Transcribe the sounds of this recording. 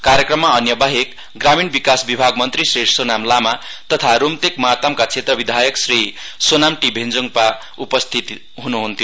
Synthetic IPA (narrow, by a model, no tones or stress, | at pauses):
kaɾjʌkrʌmːaʌnjʌbaɦek | ɡraminbikasbibʱaɡmʌnt̪risrisonamlamat̪ʌt̪ʰaɾomt̪ekmat̪ʌmkat͡sʰet̪rʌbid̪ʱajʌksrisonamʈibʱend͡zuŋpa | upʌst̪ʰit̪i | ɦunuɦunt̪ʰjo